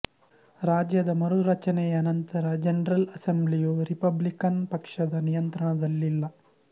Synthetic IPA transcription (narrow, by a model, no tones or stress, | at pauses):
ɾaːd͡ʒjɐd̪ɐmɐɾuɾɐt͡ʃɐnejɐːnɐnt̪ɐɾɐd͡ʒɐnɐɾɐlɐsemblijoːɾipɐblikɐnpɐkʂɐd̪ɐnijɐnt̪ɾɐɳɐd̪ɐlːilːɐ